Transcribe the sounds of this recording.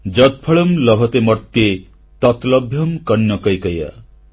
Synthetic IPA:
d͡ʒʌt̪̚pʰʌɭʌmlʌbʱʌt̪emʌɾt̪je | t̪ʌt̪lʌbʱjʌmkʌnːjʌkʌjkʌja̰

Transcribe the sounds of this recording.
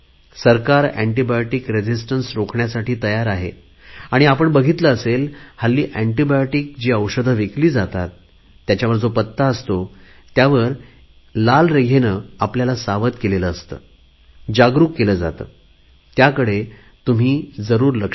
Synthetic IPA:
səɾkaɾæɳʈibajoʈikɾed͡ʑisʈənsɾokʰɳjasaʈʰiːt̪əjaɾaɦe | aɽ̃iapəɳbəɡʱit̪ləːselhalːiːʔæɳʈibajoʈik̚d͡ʑiːəwʂəd̪ʱəʋekliːd͡zat̪at̪ː | jat͡ɕaʋəɾd͡zopət̪ːaəst̪o | t̪jaʋəɾ | lalɾeɡʱenəapljalasaʋət̪keleləːst̪ə̰ː | d͡ʑaɡɾukːeləːd͡za̰t̪ə̰ː | t̪jakəɽe | t̪um̤iːd͡zəɾuːɾlək

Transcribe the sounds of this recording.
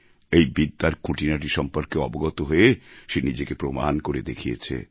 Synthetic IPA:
ejbid̪ːaɾkʰũʈinaʈiʃɔmpoɾkeɔboɡɔt̪oɦoeʃenid͡ʑekepɾoma̰nkoɾed̪ekʰijḛt͡ɕʰḛ

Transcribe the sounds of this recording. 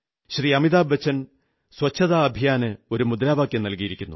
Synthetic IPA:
ɕriɐmiðaːbːɐt͡ɕʰːɐn | swɐt͡ɕʰːɐðaːbʱijaːnɨo̞ɾumud̪ɾaːbaːkʲjɐmnɐlkijiɾikʲːunːu

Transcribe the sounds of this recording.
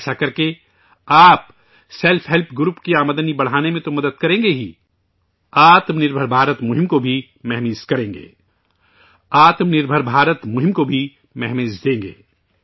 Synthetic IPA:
sakɐɾke | aːp̚ | sɛlfʰɦɛlpʰɡɾuːpkiaːməd̪ənibɐɽ̤aːnemẽt̪omɐd̪əd̪̚kɐɾẽːŋɡeɦḭː | aːt̪mnɪɾbʱəɾbʱaːɾət̪mʊɦɪ̃mkobʱi | mɛɦmiːskɐɾẽːŋɡḛː | aːt̪mnɪɾbʱəɾbʱaːɾət̪mʊɦɪ̃mkobʱi | mɛɦmeːzd̪ẽːŋɡḛː

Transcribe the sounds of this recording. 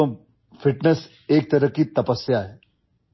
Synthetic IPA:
o | fiʈnes | ek̚t̪əɾəkiːt̪ɐpəsjaɦe

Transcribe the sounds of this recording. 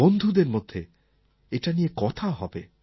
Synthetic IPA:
ond̪ʱud̪eɾmod̪ʱːe | eʈanijekɔt̪ʰaoɦɔbe

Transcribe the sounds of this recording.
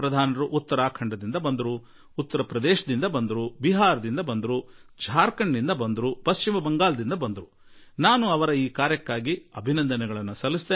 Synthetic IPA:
pɾɐd̪ʱaːnɐɾuʔːt̪ːɐɾaːkʰɐɳɖɐd̪ind̪ɐbɐnd̪ɐɾuː | t̪ːɐɾɐpɾɐd̪eːʃɐd̪ind̪ɐbɐnd̪ɐɾubiɦaːɾɐd̪ind̪ɐbɐnd̪ɐɾud͡ʒʱaːɾkɐɳːind̪ɐbɐnd̪ɐɾupɐst͡ʃimɐbɐŋɡaːlɐd̪ind̪ɐbɐnd̪ɐɾu | naːnuɐʋɐɾɐiːkaːɾjɐkːaːɡiɐbʱinɐnd̪ɐnɛɡɐɭɐnːusɐlːisi̥t̪eː

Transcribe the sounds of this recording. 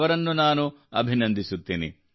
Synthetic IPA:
ʋɐɾɐnːunaːnuɐ̰bʱinɐnd̪ʱisut̪ːiːnḭ

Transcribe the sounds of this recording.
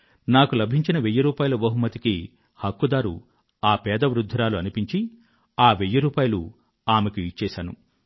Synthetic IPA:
naːkulɐbʱiɲt͡ʃinɐʋejːuɾuːpaːjulɐbɐɦumːɐt̪iki | hɐkːud̪aːɾṵ | aːpɛːd̪ɐʋɾud̪ʱːɐɾaːluɐnipiɲt͡ʃi | aːʋejːuɾuːpaːjɐlu | aːmekuit͡ʃːɛːʃaːnṵ

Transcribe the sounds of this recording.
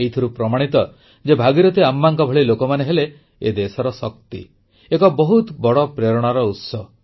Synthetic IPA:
eɦit̪ʰiɾupɾɔmaɽ̃it̪ɔ | d͡ʒebʱaɡiɾɔt̪iamːaŋkɔbʱɔɭilokɔmaneɦele | ḛd̪esɔɾɔsɔk̚t̪ḭ | ekɔbɔɦut̪bɔɽɔpɾeɾɔɽ̃aɾɔut̪sɔ

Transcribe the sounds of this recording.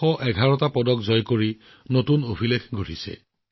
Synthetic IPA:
ɔʔɛɡʱaɹɔtapɔdɔk̚zɔjkoɹi | notunobʱilekɡʱoɹisɛ̰

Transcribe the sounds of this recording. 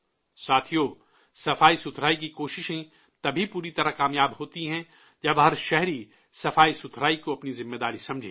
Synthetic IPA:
saːt̪ʰijoː | sɐfaːisʊt̪ʰɾaːikikoːʃɪʃẽ | t̪ɐbʱipuːɾit̪ɐɾakaːmjaːbɦoːt̪iɦɛ̃ | d͡ʒɐbɦɐɾʃɛɦɾi | sɐfaːisʊt̪ʰɾaːikoɐpnizɪ̃mːed̪aːɾisɐ̃md͡ʒʱeː

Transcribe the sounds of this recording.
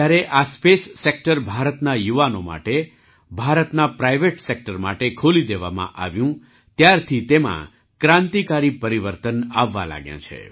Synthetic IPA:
aɾeʔaspesːek̚ʈəɾbʱaɾət̪najuʋanoma̰ʈe | bʱaɾət̪napɾajʋeʈsek̚ʈəɾma̰ʈekʰolid̪eʋa̰mã̰ʔa̰ʋjũ | t̪jaɾt̪ʰit̪emã̰ | kɾãnt̪ikaɾipəɾiʋəɾt̪ənaʋːa̰la̰ɡjã̰t͡ʃʰḛ

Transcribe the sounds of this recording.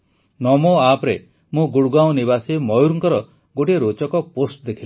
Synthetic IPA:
nɔmoapɾe | mũɡuɽɡaw̃niβasimɔjuɾuŋkɔɾɔ | ɡoʈieɾot͡ʃɔkɔposʈ̚d̪ekʰil

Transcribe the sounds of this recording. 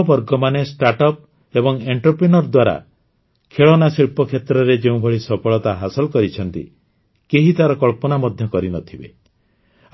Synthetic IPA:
bɔɾɡɔmanesʈaɾʈɔp̚ | ebɔŋeɳʈɔpɾinɔɾd̪waɾa̰ | kʰeɭɔnasiɭpɔkʰet̪ɾɔɾed͡ʒeũbʱɔɭisɔpʰɔɭɔt̪aɦasɔlkɔɾit͡ʃʰɔnt̪ḭ | keɦit̪aɾɔkɔɭpɔnamɔd̪ʱjɔkɔɾinɔt̪ʰibḛ

